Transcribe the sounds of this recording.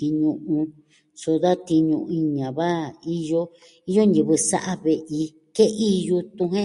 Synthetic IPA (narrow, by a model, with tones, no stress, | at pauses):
i˧ɲũ˧ʔũ˧ | so˧ða˦t̪i˧ɲũ˧i˧ɲã˨βa˦i˦jo˦ | i˦jo˦ni˧βɨ˧sa̰˦ʔa˦βe˨ʔi˧ | ke˦ʔi˦ju˧t̪ũ˧ɦẽ˦